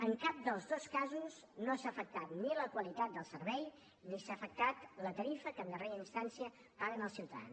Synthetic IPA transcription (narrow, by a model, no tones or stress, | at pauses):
əŋkap̚d̪əlˠzðoskazuz | nosaːfək̚t̪at̪niləkwəlit̪at̪̚d̪əlˠsəɾβɛj | nisafək̚t̪at̪lət̪əɾifəkənd̪əreɾəinst̪ansiə | paɣənəlˠsiwt̪əa̰n